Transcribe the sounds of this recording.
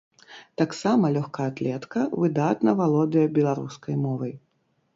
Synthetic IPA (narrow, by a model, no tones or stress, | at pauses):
t̪aksamɐlʲɔxkaat̪lʲɛt̪kɐvɨd̪at̪nɐvalˠɔd̪ɨjɐbʲɛlˠaɾṵskɐjmɔvɐj